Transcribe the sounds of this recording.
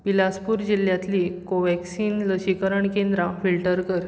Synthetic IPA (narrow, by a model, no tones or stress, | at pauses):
pilaspuːɾd͡ʑil̤jat̪liːkoʋɛksiːnləɕikəɾəɳkend̪ɾafilʈəɾkəɾ